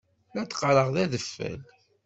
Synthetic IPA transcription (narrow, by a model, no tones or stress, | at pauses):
læt͡sːqːɾəʁðæðəfːæ̰l